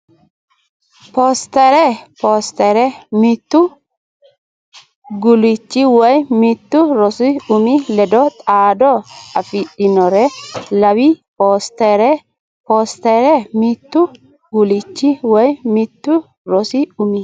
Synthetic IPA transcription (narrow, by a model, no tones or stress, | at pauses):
post̪ɛɾɛpoːst̪ɛɾɛmɪt̪ːʊ | ɡʊlɪt͡ʃːɪwɔjmɪt̪ːʊɾɔsɪʊmilɛd̪ɔt̪ʼaːd̪ɔɐfɪɗɪnɔɾɛlɐwipoːst̪ɛɾɛ | poːst̪ɛɾɛmɪt̪ːʊ | ɡʊlɪt͡ʃːɪwɔjmɪt̪ːʊ | ɾɔsɪʊmɪ